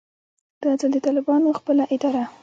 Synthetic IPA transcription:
d̪̥əzald̪ət̪ɑlɪbɑnoxpəlaʔɪd̪ɑɾa

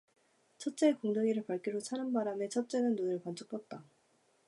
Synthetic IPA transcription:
t͡ɕʰʌt̚t͡ɕ͈eːkoŋdoŋiɾɯɭpaɭk͈iɾot͡ɕʰanɯnbaɾamet͡ɕʰʌp̚t͡ɕ͈enɯnːonɯɭkant͡ɕʰuk̚pʰʌt̚t͈a

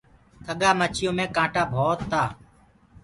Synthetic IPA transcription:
t̪ʰəɠaːmət͡ʃʰɪjõːmẽːkãːʈaːbʱoːt̪ʰːaː

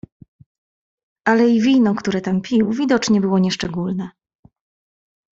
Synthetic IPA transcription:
ʔalɛivʲinɔkt̪uɾɛt̪ampʲiwvʲid̪ɔt͡ʂɲɛbɘwɔɲɛʂt͡ʂɛɡulnɛ

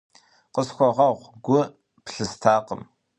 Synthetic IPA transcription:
qəsxʷɔʁɐʁʷɡʷʊ | pɬɨstʰaːqəm

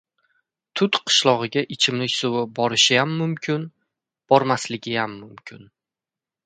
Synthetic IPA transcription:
t̪ʰʊt̪qʰɨ̥ʃlˠɒʁɨɡʲaʔɪt͡ʃʰɪmnɪsowabɒɾɪʃɪjamːʊmkʲʰɪn | b̥ɒɾmaslɪɡʲɪjamːʊmkʲʰɪn

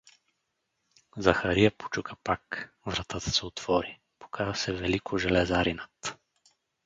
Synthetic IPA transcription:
zɐxɐɾiəpo̥t͡ʃukəpak | vɾɐt̪at̪ə̥sɛot̪v̥ɔɾi | po̥kʰazəsɛvɛlikoʒɛlɛzaɾinət̪

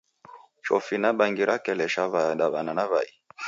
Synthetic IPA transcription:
t͡ʃɔfinaɓaŋɡiɾakɛlɛʃavaɗaɓananavai

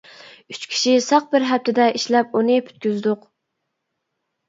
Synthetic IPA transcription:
yt͡ʃkʲʰi̥ʃisɑq̚bɪɾɦɛp̚t̪ʰɪd̪ɛʔiʃlɛp̚unɨpʰy̥t̪̚kʲyzd̪ʊq

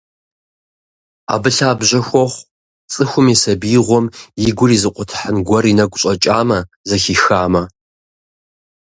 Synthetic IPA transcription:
a̰ːbɨɬaːbʒɐxʷɔχʷ | t͡sʼɨxʷʊmisɐbiːʁʷɔmjɪɡʷʊrizɨqʷʼʊtʰħənɡʷɐrinɐɡʷʊɕʼɐt͡ʃʼaːmɐ | zɐxixaːmɐ

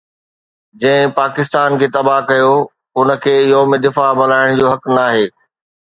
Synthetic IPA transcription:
d͡ʑɐ̃ɦɪ̃paːkɪst̪aːnkʰeːt̪ɐbakɐjo | ʊnə̆kʰeːjoːmed̪ɪfamɐlaːɪɽ̃d͡ʑoːɦɐknaːɦeː

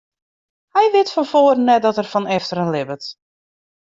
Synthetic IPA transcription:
hɛjʋɪtfɔnfoːrnːɛt̚dɔtərfɔnɛftəɾənlɪbət

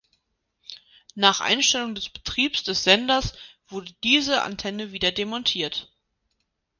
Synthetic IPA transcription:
naːχʔa̰ɪnʃtɛlʊŋdɛsb̥ə̥tʁ̥iːpsd̥ɛsz̥ɛndɐsv̥ʊɐdədiːzəʔa̰ntʰɛnəviːdɐdemɔntʰiːɐt

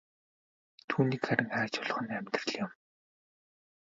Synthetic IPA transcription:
t̪ʰuːniːkχæɾʲɪ̆ŋχæːt͡ɕʊɮ̆χə̆næmʲt̪rə̆ɮjɪ̆m

